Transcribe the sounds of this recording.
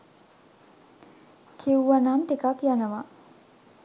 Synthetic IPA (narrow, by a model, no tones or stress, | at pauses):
kʰiwʋanamt̪ikakjanəʋa